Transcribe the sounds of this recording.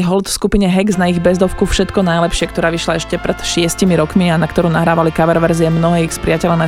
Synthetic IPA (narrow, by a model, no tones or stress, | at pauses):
ɦɔlt̪fskupiɲɛɦɛɡznaiɣbɛzd̪ɔfkufʃɛt̪kɔnajlɛpʃɪɛkt̪ɔɾaːʋiʃlaɛʃcɛpɾɛt̪ʃɪɛscimiɾɔkmianakt̪ɔɾuːnaɦɾaːʋalikaʋɛɾʋɛɾziɛmnɔɦɛːixspɾɪacɛlana